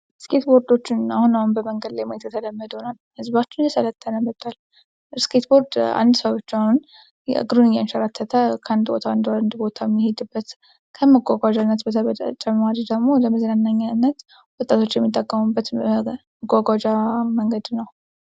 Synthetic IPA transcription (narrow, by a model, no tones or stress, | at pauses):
skʰe̞t̪bo̞ɾd̪o̞t͡ʃːɪnahunahunbəməŋɡəd̪lajmajet̪jɛt̪ʰələmːəd̪ənalhɨzbat͡ʃːɪnjɛsələt̪ʰːənəmət̪ʰʼːal | skʰet̪bo̞ɾd̪a̰nd̪səβot͡ʃːahun̰ | ɡɨɾunɨjɛnʃəɾat̪ʰːət̪ʰəkʰəand̪bo̰t̪ʰaand̪and̪bo̞t̪ʰaɛmːihed̪ɨbːət̪ | kʰəməɡʷaɡʷad͡ʒanːət̪bət̪ʰəβə̰t͡ʃʼəmmad̪d̪əɡmo̞ləməzɾanːaɲːanːət̪ | wɔt̪ʼːat̪ʰo̞t͡ʃːjɛmːit̪ʼːəkʼːəmubːət̪məɡʷaɡʷad͡ʒaməŋɡəd̪nəw